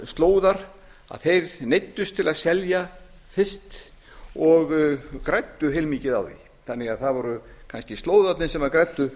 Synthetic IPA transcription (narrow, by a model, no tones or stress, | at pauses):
st̪loːwðaɾ̥ | a̰ðθejɾnejt̪ːʏst̪ʰɪlaðsɛlja | θɪst̪ | ɔɣkɾajt̪ːʏɦejlmiːcɪðawðḭ | θanːɪɣaðθaðvɔɾʏkʰanscɪst̪loːwðat̪nɪnsɛmakɾɛt̪ːʏ